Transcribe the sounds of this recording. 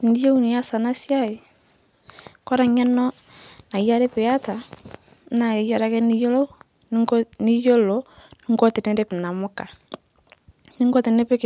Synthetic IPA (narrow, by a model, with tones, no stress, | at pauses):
i˨ndi˦e˦u˦ni˨ja˦sa˨na˦sja˦˨i˨ | kɔ˦ɾa˨ɲa˦nɔ˦ | na˨˦ja˦ɾɛ˦pɛ˨a˦ta˨˦ | na˨e˨ja˨ɾa˨˦kɛ˦ni˦jɔ˦lɔ˦ | n˦ni˦jɔ˦lɔ˨˦ni˦ŋɡɔ˦tɛ˨nɛ˦ɾɛ˦pɛ˨na˨mɔ˦ka˨ | ni˦ŋɡɔ˦tɛ˨nɛ˦pɛ˦k